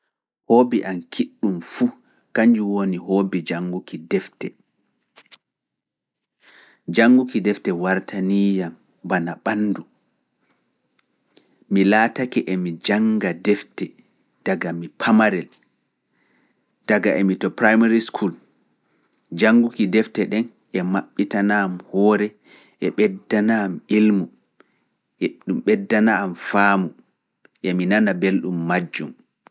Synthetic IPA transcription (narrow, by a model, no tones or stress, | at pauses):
hoːbiʔankʰiɗːumfu | kaɲd͡ʒuwoniɦoːbid͡ʒaŋːɡukidɛftɛ | d͡ʒaŋɡukidɛftɛwaɾtʰaniːjam | banaɓanːdu | milaːtakɛʔɛmid͡ʒaŋɡadɛftɛ | d̥aɡamipʰamaɾɛl | d̥aɡaʔɛmitɔpɾajmaɾiskʰul | d͡ʒaŋɡukidɛftɛɗɛn | ɛmaɓːitanaːmhɔːɾɛ | ʔɛɓɛdːanamilmu | ʔɗumɓɛdːanaːmfaːmu | ʔɛminanabelɗumːad͡ʒːṵm